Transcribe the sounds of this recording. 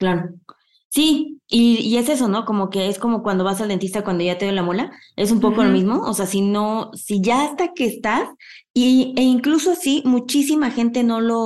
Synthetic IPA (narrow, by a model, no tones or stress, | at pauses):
klaɾo̞ | siiːe̞se̞s̬o̞no̞ko̞mo̞ke̞e̞sko̞mo̞kwand̪oβasald̪ent̪ist̪akwand̪oʝat̪e̞ðjolamola | e̞sumpo̞ko̞lo̞mizmo̞ose̞asino̞siʝaast̪ake̞ːst̪as | ieiŋklusoasimut͡ʃisimaxe̞nt̪e̞no̞lo̞